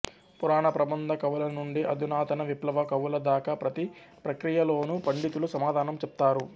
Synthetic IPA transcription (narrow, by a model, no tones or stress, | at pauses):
puɾaːɳɐpɾɐbɐnd̪ʱɐkɐʋulɐnuɳɖiʔɐd̪ʱunaːt̪ɐnɐʋiplɐʋɐkɐʋulɐd̪aːkɐpɾɐt̪i | pɾɐkɾijɐlo̞ːnupɐɳɖit̪ulusɐmaːd̪ʱaːnɐmt͡ʃɛp̚t̪aːɾu